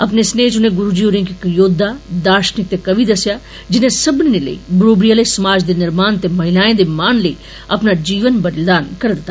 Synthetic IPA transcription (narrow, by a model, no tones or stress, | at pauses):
əpneːsneːt͡ʃʊnẽːɡʊɾuːd͡ʒiːoːɾẽːkɪkjoːd̪ʱːaːd̪aːʃnɪk̚t̪eːkəʋiːd̪əsjaː | d͡ʒɪnẽːsəbninelə̰ḭːbəɾoːbɾijaːleːsəmaːd͡ʒd̪eːnɪɾmaːnt̪eːməɦɪlaːẽːd̪eːmaːnləḭː | əpnaːd͡ʒiːʋənbəɾɪld̪aːnkəɾd̪ɪt̪ːaː